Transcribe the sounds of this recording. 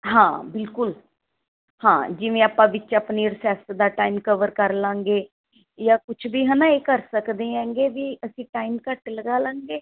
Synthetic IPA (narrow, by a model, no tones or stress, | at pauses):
ɦãːbɪlkʊl | hãːd͡ʒɪʋẽːaːpãːʋɪt͡ʃaːpniːɾsaːst̪d̪aːʈaːimkəʋəɾkəɾlãːŋɡeː | jãːkʊt͡ʃʰbiːɦənaːeːkəɾsəkd̪ẽːɛ̃ːŋɡeːʋiːʔəsĩːʈaːimkəʈləɡaːlãːŋɡeː